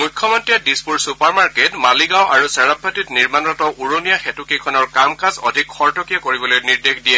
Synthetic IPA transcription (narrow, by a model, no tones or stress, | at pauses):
mukʰːjɔmɔntɹiɛdispuɹsupaɹmaɹketmaliɡawʔaɹusɛɹapʰːatitniɹmanɔtɔʔuɹonijaxɛtukekʰɔnɔɹkamkasɔ̰dʱikxɔɹtɔkijakoɹibɔlojniɹdexdijɛ